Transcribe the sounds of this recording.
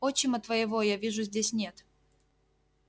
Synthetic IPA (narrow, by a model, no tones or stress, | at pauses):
ot͡ɕːɪmʲət̪vəɪvojavʲiʐʊzʲdʲesʲnʲe̞t̪